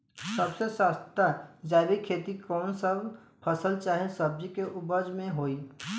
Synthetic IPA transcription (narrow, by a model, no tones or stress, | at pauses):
sɐbsesast̪ad͡ʒaːbikʰeːt̪ikɔːnsəb | pʰəsəlt͡ʃaːɦesəb̚d͡ʒikeʔʊbəd͡ʒmẽɦoːiː